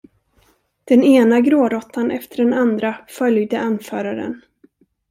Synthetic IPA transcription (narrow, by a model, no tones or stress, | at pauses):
d̪̥ɛneːnaɡɾoːɾɔt̪ʰːanʔɛ̰ft̪əɖɛnand̪ɾafœljd̪əʔanfœːɾaɾə̰n